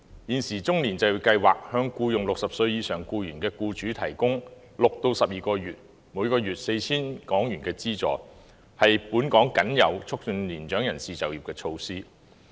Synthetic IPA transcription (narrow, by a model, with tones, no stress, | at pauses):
jiː˨˩nsiː˨˩t͡sʊ˥ŋliː˨˩nt͡sɐ˨˧jwkɐ˧jwaː˨˩k̚hœː˨˧ŋkuː˧jʊ˨˩ŋlʊ˨k̚sɐ˨p̚sɵ˧ɥjiː˨˧sœː˨˩ŋkuː˧jyː˨˩nkɛː˧kuː˧t͡ʃyː˨˥t̪ʰɐ˨˩jkʊ˥ŋ | lʊ˨k̚t̪o˧wsɐ˨p̚jiː˨kɔː˧jyː˨t̚ | muː˨˧˥kɔː˧ɥyː˨t̚se˧jt͡sʰiː˥nkɔː˨˥ŋjyː˨˩nkɛː˧t͡siː˥t͡sɔ̰ː˨˩ | hɐ˨jpuː˨˥nkɔː˨˥ŋkɐ˨˥njɐ̰˨˧wt͡sʰʊ˥k̚t͡ʃɵ˨nliː˨˩nt͡ʃœː˨˥ŋjɐ˨˩nsiː˨t͡sɐ˨wjiː˨p̚kɛː˧t͡ʃʰo˧wsiː˥